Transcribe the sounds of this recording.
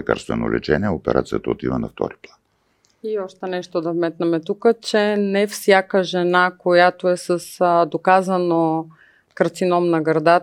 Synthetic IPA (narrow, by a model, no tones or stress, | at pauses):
ɛka̰ɾst̪vɛno̰lʔɛ̰t͡ʃɛnʲiɛopɛɾʔa̰t̪sijət̪əot̪ivənɐft̪ɔ̰ɾiplˠan | iɔʃt̪ɛnɛʃt̪od̪ɐvmɛt̪nɐmɛt̪ukət͡ʃɛnɛfsʲjakəʒɛnakojat̪oɛsəsd̪okazəno | kəɾt̪sinɔmnɐɡɾd̪a